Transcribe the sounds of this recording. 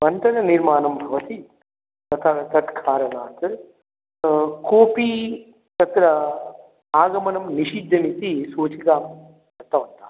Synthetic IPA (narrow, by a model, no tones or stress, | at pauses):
mɐnt̪ɐɾɐniɾmaːnɐmbʱɐʋɐt̪i | t̪ɐt̪ʰaːt̪ɐt̪kʰaːɾɐnaːt̪ɐɾ | koːpiː | t̪ɐt̪ɾɐ | aːɡɐmɐnɐmniʃid̪ʱːɐnit̪isoːt͡ʃikaːm | kɐɾt̪ɐʋɐnt̪aː